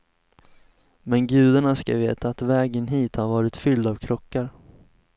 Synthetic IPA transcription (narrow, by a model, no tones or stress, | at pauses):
mɛnɡʉ̟ːd̪aɳaska̰veːt̪aːt̪vɛːɡənɦiːt̪haɾvɑːɾɪt̪fʏld̪avkʰɾɔkːaɾ